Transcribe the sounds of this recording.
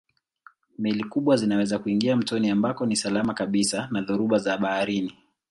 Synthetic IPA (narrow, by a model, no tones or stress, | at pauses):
mɛlikuɓwazinawɛzakuiŋɡiam̩tɔniambakɔnisalamakaɓisanaðuɾuɓazaɓahaɾini